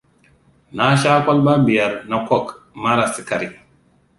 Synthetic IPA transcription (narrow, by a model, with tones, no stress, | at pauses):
na˦ʃa˦kʷɔ˦lba˦bi˨ja˨ɾna˦kʷɔ˦k | ma˦ɾa˨si˦ka˨ɾi˨